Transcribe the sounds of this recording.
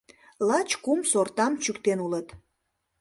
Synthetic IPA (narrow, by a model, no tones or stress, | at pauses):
lɑt͡ɕkumsort̪ɑmt͡ɕykt̪enulət̪